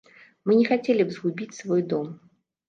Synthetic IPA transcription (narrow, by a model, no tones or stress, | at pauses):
mɨnʲɛxat͡sʲelʲibzɣubʲit͡sʲsvɔjd̪ɔm